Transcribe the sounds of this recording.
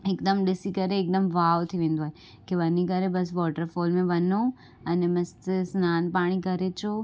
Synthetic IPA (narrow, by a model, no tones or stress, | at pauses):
ekd̪əmɖɪsikɐɾeːk̚d̪əmʋaːʋt̪ʰiʋẽːn̆d̪oaːɦe | keʋɐnikɐɾebɐsʋɔːʈəɾfoːlmẽʋɐno | ɐnebɐst̪snaːnpaːɽ̃ikɐɾet͡ʃo